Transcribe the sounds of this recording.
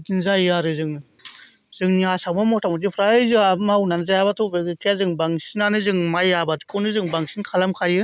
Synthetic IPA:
ɡinzajaɾɯzɯŋ | z̥ɯŋniasakmamɔtʰamɔdipʰɾajzɯamawnanzajabatʰɔbeɡɯkʰijazɯŋbaŋsinanɯzɯŋmajabati̥kʰɔnɯzɯŋbaŋsinkʰalamkʰajɯ

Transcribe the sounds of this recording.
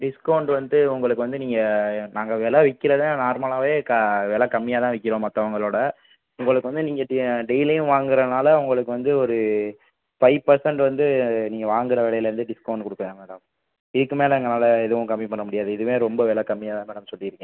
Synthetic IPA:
ɖɪskɐʊɳɖʋɐnd̪ɯʊŋɡɐɭɯkːɯʋɐnd̪ɯniːŋɡɐnaːŋɡɐʋeːlɐʋɛkːɪɾɐðnaːɾmaːɭaːʋeːkɐʋeːɭɐkɐmːɪjaːt̪ãːʋɛkːɪɾõːmɐt̪ːɐʋɐŋɡɐɭoːɽɐ | ʊŋɡɐɭɯkːɯʋɐnd̪ɯniːŋɡɐɖɛɪlɐjʊ̃ʋaːŋɡɪɾɐnaːlɐʊŋɡɐɭɯkːɯʋɐnd̪ɯɔɾɯ | fɐɪʋpɐɾsɐɳɖʋɐnd̪ɯniːŋɡɐʋaːŋɡɪɾɐʋeːɭɐjɪlɐɾɯnd̪ɯɖɪskɐʊɳɖ̚kɔɽɯkːɐʋẽːmɐːɽam | ɪðɯkːɯmeːlɐɐŋɡɐnaːlɐɛðɯʋʊ̃kɐmːipɐɳːɐmʊɽɪjaːðɯɪðɯʋẽːɾɔmbɐʋɛːɭɐkɐmːɪjaːt̪ãːmeːɽɐmsɔlːɪɪɾɯkːɡẽ

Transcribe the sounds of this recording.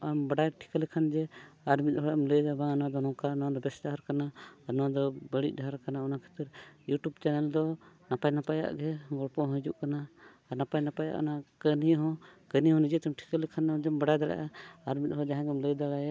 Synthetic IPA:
ambaɖajʈʰi̥kəlɛkʰand͡ʒɛaɾmit̪̚ˀɦɔɽɔmləjd̪abanwad̪ɔnɔ̃kanɔwad̪ɔbɛsdaɦaɾkanaːɾnɔwad̪ɔbəɽḭˀdʱaɾkanaɔnakʰə̥t̪əɾjuʈubt͡ʃɛnɛld̪ɔnapajnapaja̰ʔɡɛɡɔɽpɔɦɔ̃d͡ʒṵʔkanaː | ɾnapajnapaja̰ʔɔ̰nakəniɦɔ̃kəniɦɔ̃nid͡ʒɛt̪ɛmʈʰi̥kəlɛkʰanad͡ʒɛmbaɖajd̪aɽa̰ʔaaɾmit̪̚ˀɦɔd͡ʒaɦãɡɛmləjd̪aɽaj

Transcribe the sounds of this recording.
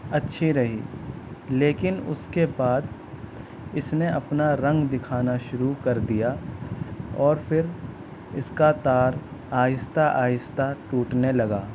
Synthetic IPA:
ɐtːʃʰiɾɐɦḭː | leːkɪnʊ̰skebaːd̪ | ɪsneɐpnaɾɐ̃ŋɡd̪ɪkʰaːnaʃʊɾukɐɾd̪ija | ɔːɾfʰɪɾ | ɪskat̪aːɾaːjɪst̪ʰaʔaːjɪst̪ʰaʈuːʈnelɐɡaː

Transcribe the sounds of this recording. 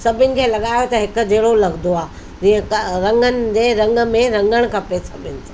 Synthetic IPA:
sɐbʱɪnɪ̆kʰeːlɐɠaːjot̪ɐɦɪkʊ̆d͡ʑeːɽolɐɡnd̪oaː | d͡ʑĩːə̃kɾɐ̃ŋɡənɪ̆d͡ʑeɾɐ̃ŋɡə̆mẽɾɐ̃ŋɡəɽ̃kʰɐpesɐbʱɪnɪ̆s

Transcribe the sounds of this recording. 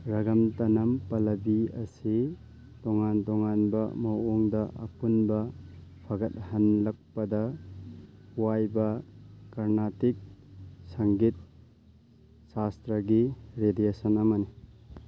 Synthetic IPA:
ɾɐɡɐmtɐnɐmpɐlɐbiɐsi | tɔŋantɔŋanbɐ̰mɐwoŋdɐʔɐ̰punbɐpʰɐɡɐt̚hɐnlɐk̚pɐdɐ | wajbɐkɐɾnatik̚sɐŋɡit̚ | sastɾɐɡiɾediesɐnɐmɐni

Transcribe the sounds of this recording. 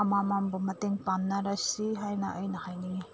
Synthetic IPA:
ɐmamambɔmɐteŋpanːaɾasiɦajnaʔəjnɐhajni

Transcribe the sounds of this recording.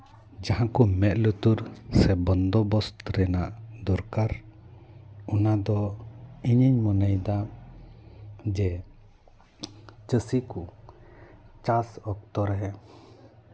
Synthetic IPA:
d͡ʒaɦãkɔmɛt̪̚lut̪uɾsɛbɔnd̪ɔbɔst̪ɾɛnaʔd̪ɔɾkaɾ | ɔnad̪ɔiɲiɲmɔnəjd̪a | d͡ʒɛ | t͡ʃəsiku | t͡ʃasɔkt̪ɔɾɛɦɛ

